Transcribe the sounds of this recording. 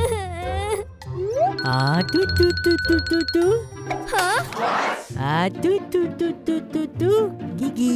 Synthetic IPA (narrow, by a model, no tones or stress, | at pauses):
at̪ut̪ut̪ut̪ut̪ut̪u | ha | at̪ut̪ut̪ut̪ut̪ut̪uɡiɡi